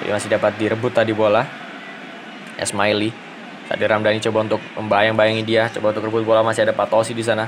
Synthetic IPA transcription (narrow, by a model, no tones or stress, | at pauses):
ḭmasɪdapat̪̚diɾəbʊt̪ːadibola | ɛ̰smaili | sa̰diɾamdanit͡ʃobaunt̪ʊk̚məmbajaŋbajaŋidiat͡ʃobaunt̪ʊkrəbʊt̪̚bolamasiadapat̪osidis̬ana